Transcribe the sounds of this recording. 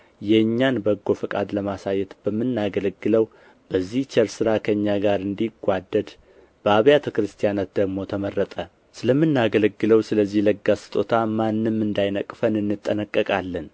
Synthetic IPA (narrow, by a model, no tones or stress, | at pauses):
jɛɨɲːanbəɡːo̞fɨkʼad̪ləmasajːɛt̪bəmːɨnːaɡələɡːɨləw | b̥əzːiht͡ʃʰɛɾsɨɾakʰəɨɲːaɡaɾɨnd̪iɡʷad̪ːəd̪ | b̥əaβjat̪ʰəkɾɨst̪ʰijanat̪̚d̪əɡmo̞t̪ʰəmərːət̪ʼə | sɨləmːɨnːaɡələɡːɨləwsɨləzːihləɡːasɨ̥t̪ʼot̪ʰamanːɨmːɨnd̪ajnəkʼfənɨnːɨt̪ʼːənəkʼːəkʼalːən